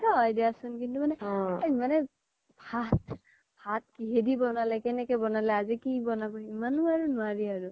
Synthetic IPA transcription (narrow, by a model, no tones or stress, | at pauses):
aɔjdiasʊnkintumanɛimanɛ | bʱat | b̥ʰʱat̚kiɦedibɔnalɛkɛnɛkɛbɔnalɛazikibɔnabɔimanuaɹunʊaɹiaɹu